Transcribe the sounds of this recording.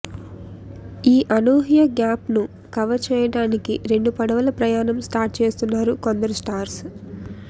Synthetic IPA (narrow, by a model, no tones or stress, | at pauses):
iːʔɐnoːɦijɐɡjaːpnu | kɐʋɐt͡ʃɛːjɐɽaːnikiɾe̞ɳɖupɐɽɐʋɐlɐpɾɐjaːnɐmsʈaːɾʈ̚t͡ʃe̞ːst̪unːaːɾuko̞nd̪ɐɾusʈaːɾs